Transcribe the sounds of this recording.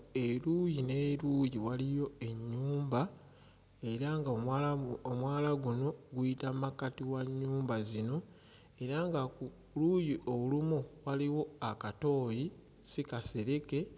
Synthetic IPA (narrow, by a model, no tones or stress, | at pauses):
eɾuːjine̞ːɾujiwalijo̞e̞ɲːuːmba | e̞ɾaŋɡaː | mwaːlaɡuno̞ɡuitamakatiwaɲːuːmbazino̞ | e̞ɾaŋɡaku | lujiʔo̞lumuwaliwo̞akato̞ːji | sikase̞ɾe̞ke̞